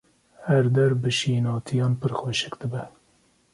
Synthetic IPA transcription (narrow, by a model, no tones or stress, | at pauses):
hæɾd̪ɛɾbɨʃiːnɑːt̪ʰijɑːnpɨɾxwɛʃɨkd̪ɨbɛ